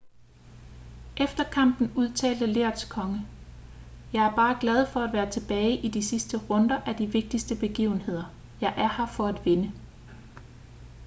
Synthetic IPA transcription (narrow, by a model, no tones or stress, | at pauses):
ʔefd̥ɐkʰɑ̈m̰b̥n̩uð̞ˠt͡sʰɛ̰ːld̥əle̝ɐd̥skʰɒ̽ŋə | jɑ̈ɪæɐb̥ɑ̈ːɡ̥lɛð̞ˠfɒ̽æd̥ʋæːɐt͡sʰe̝b̥ɛːɪʔid̥isisd̥əʁɔ̽nd̥ɐʔæd̥iʋe̝ɡ̥̚d̥isd̥əb̥e̝ɡ̥ḭːʊn̩he̝ð̞̰ˠɐ | jɑ̈ɪʔæɐhɑ̈fɒ̽æd̥ʋe̝nə